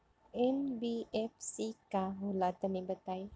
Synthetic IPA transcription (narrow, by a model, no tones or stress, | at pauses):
ɛnbiɛf̚sikaɦulat̪ənibət̪aj